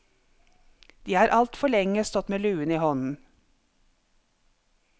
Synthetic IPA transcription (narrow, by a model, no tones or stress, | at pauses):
d̪̥iːhɑːɾʔɑlt̪fɔɭɛŋəst̪ɔt̪meːlʉːəniːhɔnn̩